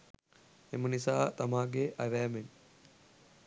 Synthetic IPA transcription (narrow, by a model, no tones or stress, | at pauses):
emənisaːt̪ɐmaːɡeʔɐʋɛːmen